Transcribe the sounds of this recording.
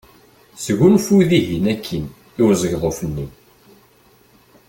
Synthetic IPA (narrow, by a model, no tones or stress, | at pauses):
sɣunfuðiɦinækʰːən | ɪɾzəʝðˤofənːi